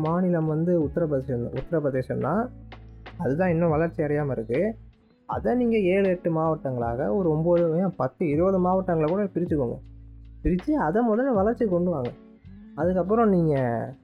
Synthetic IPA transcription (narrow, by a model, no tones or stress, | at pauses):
maːnɪlɐmʋɐnd̪ɯʊt̪ːɐɾɐpɐðeʃɐn̰ʊt̪ːɐɾɐpɐðeːʃɐnnãː | ɐðɯt̪ãːɪnːɐ̃ʋɐlɐɾt͡ʃːiɐɽɐjaːmɐɪɾɯkːɯ | ɐ̰ðɐniːŋɡɐeːɻɯɛʈːɯmaːʋɐʈːɐŋɡɐɭa̰ːɣɐɔɾɯɔmboːðɯjãpɐt̪ːɯɪɾɯbɐðɯmaːʋɐʈːɐŋɡɐɭkuːɽɐpɪɾɪt͡ʃːɯkːoːŋɡɐ̰pɪɾɪt͡ʃːiɐðɐmʊðɐnːɐʋɐlɐɾt͡ʃːikɔɳɖɯʋaːŋɡɐ | ɐðɯk̬ːɐpːɯɾɔ̃niːŋɡɐ